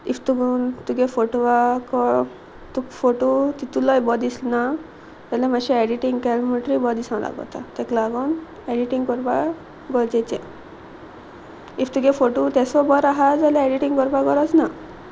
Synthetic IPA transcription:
ift̪uɡnt̪uɡefoʈʋakɔ | t̪ufoʈot̪it̪ulɔjbɔd̪islna | d͡zalɛmaɕɛɛɖiʈiŋɡkɛlmuʈɾibɔd̪isãw̃la̰ɡɔ̰t̪a̰t̪ɛklaɡɔn | eɖiʈiŋkɔɾpa | ɡɔɾd͡zɛt͡sɛ | ift̪uɡefoʈut̪ɛsɔbɔɾaɦad͡zalɛɛɖiʈiŋɡkɔɾpaɡɔɾɔt͡sna

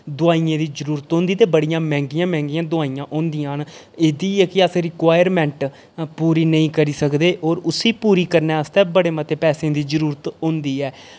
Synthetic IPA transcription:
d̪ʊaːijãːd̪iːd͡ʒəɾuːɾət̪ɦõːnd̪iːt̪eːbəɽijãːmɛ̃ːŋɡijãːmɛ̃ːŋɡijãːd̪ʊaːiːãːʔõːnd̪ijãːn | eːd̪iːɛːkɪəsɾɪkaːjəɾmɛ̃ːɳʈ | puːɾiːnəĩːkəɾiːsəkd̪eːʔoːɾʊsiːpuːɾiːkəɾneːəst̪ɛːbəɽeːmət̪eːpɛːsẽːd̪iːd͡ʒəɾuːɾət̪ɦõːnd̪iːɛː

